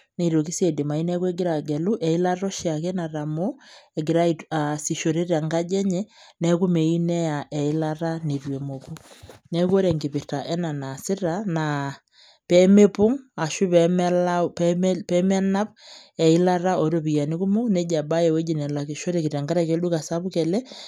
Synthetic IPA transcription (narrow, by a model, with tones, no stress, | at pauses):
ne˨ɾo˨ki˦se˨di˨ma˨i˦nɛ˦kwɛ˦ɡɪ˦ɾa˨ɡɛ˨lu˦ʔɛ˨i˦la˦ɾɔ˦ʃja˨kɛ˦na˨ɾa˨mɔ˦ɛ˨ɡɪ˨ɾa˦i˨a˨si˨ʃo˨ɾe˦ɾa˨ŋɡa˦d͡ʒɛ˦ɲɛ˦nɛ˦ku˦me˨i˦nɛ˦a˨ʔɛ˨i˦la˦ɾa˦ni˨rwe˨mo˨ku˦nɛ˦ko˦ɾɛ˨ŋɡɪ˨pɪ˨rta˨ʔɛ˦na˨na˨sɪ˦ɾa˨na | pɛ˦me˦pʊ˦ŋa˨ʃu˦pɛmɛ˦lappɛ˦ma˦na˦p̚ɛ˨ɪ˦la˦ɾa˦o˨ɾo˦bi˨a˨ni˦ku˦mo˦ku˦nɛ˦d͡ʒa˨ba˦jɛ˨we˦d͡ʒi˨nɛ˨la˨ki˨ʃo˦ɾe˨ki˨ɾa˨ŋɡa˦ɾa˨ke˨˦lu˦ka˨sa˦bʊ˦kɛ˨lɛ˦